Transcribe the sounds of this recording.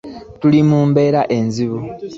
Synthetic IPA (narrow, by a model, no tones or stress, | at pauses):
tulimuːmbe̞ːɾaʔe̞nziβu